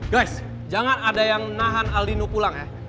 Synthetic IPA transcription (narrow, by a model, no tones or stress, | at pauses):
ɡajs | d͡ʒaŋanadajaŋnaɦanalinupulaŋja